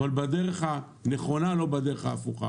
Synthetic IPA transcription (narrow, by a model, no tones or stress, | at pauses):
valbadeʁeχa | neχo̞nalo̞badeʁeχaːfuχa̰